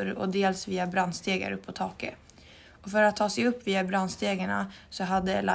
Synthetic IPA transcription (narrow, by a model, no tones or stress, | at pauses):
ɾɔ̰d̪eːlsviːabɾand̪st̪eːɡa̰ɾɵpʰːɔt̪ʰɑːkə | ɔfœɾat̪ʰːɑːsɛjɵpːviːabɾand̪st̪eːɡaɳa̰sɔɦad̪ːəla̰